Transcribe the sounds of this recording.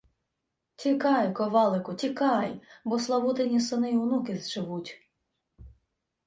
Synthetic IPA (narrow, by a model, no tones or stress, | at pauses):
tʲikɑjkɔʋɑlˠɪkʊtʲikɑjbɔslˠɐʋut̪enʲisɔnɪjwnukɪzʒɪʋutʲ